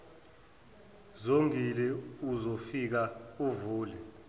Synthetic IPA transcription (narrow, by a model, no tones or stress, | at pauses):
zoŋilɛuzofik̬auvuːlɛ